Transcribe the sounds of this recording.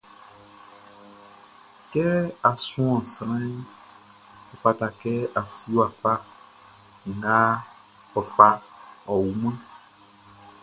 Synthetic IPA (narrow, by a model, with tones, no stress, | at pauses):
kɛ˦a˨sũ˦ɔ̃˨sɾ̃ã˦ | ɔ˨fa˨t̪a˨kɛ˦a˨si˦wa˨fa˦ | ŋ˨ɡa˦ | ɔ˨fa˦ɔ˨wu˨mɛ̃˦